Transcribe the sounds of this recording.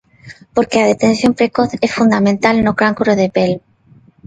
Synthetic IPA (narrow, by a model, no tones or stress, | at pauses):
poɾkeaðet̪ẽ̞nsjo̞mpɾekoθesfund̪amẽnt̪alnokɾaŋkuɾoð̞epel